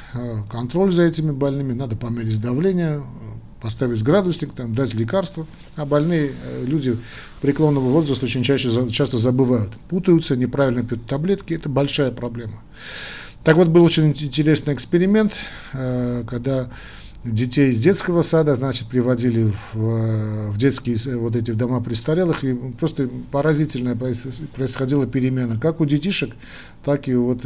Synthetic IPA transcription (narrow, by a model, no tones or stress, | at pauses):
kɐnt̪ɾo̞lʲzɐɛtʲɪmʲɪbɐlʲnɨmʲɪnad̪əpɐmʲeɾʲɪtʲd̪ɐvlʲenʲɪjə | pɐst̪avʲɪtʲɡɾad̪ʊsʲnʲɪkt̪amd̪atʲlʲɪkarst̪və | ɐbɐlʲnɨjəlʲudʲɪ | pɾʲɪklˠo̞nːəvəvo̞zrəst̪əot͡ɕɪnʲt͡ɕæɕət͡ɕast̪əzəbɨvajʊt̪put̪əjʊt̪sənʲɪpɾavʲɪlʲnəpʲjut̪ːɐblʲe̞t̪kʲɪɛt̪əbɐlʲʂajəpɾɐblʲe̞mə | t̪akvo̞t̪̚bɨlˠot͡ɕɪnʲɪnɪnʲtʲɪɾʲe̞snɨɪjɪkspʲɪɾʲɪmʲe̞nt̪ː | kɐɡ̚d̪a | dʲɪtʲejɪzʲdʲe̞t̪skəvəsad̪əznat͡ʃɪ̥t̪̚pɾʲɪvɐdʲilʲɪv | vdʲet̪skʲɪjsvo̞t̪̬ɛt̬ʲɪvd̪ɐmapɾʲɪst̪ɐɾʲelˠɨxipɾo̞st̪əpəɾɐzʲitʲɪlʲnəjəppɾəɪsxɐdʲilˠəpʲɪɾʲɪmʲe̞nːəkakudʲɪtʲiʂɨk | t̪akɪvo̞t̪